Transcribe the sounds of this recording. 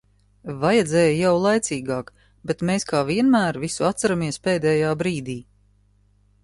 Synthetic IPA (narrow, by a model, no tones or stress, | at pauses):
vajɛd̪zɛːjjawlˠajt̪siːɡaːk | bet̪meːskaːviɛnmæːɾvisuat̪saɾamiɛspeːd̪ɛːjaːbɾiːd̪iː